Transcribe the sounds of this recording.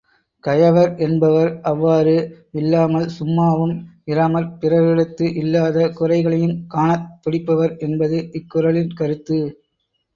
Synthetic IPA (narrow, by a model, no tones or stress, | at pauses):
kɐjɐʋɐɾʔɛnbɐʋɐɾʔɐʋːaːɾɯ | ɪlːaːmɐlsʊmːaːʋɯmɪɾaːmɐɾpɪrɐʋɪɽɯt̪ːɯʔɪlːaːðɐkʊrɐɪɣɐɭɐjɯmkaːnɐt̪ːʊɽɪpːɐʋɐɾɛnbɐðɯʔɪkːʊɾɐɭɪnkɐɾɯt̪ːɯ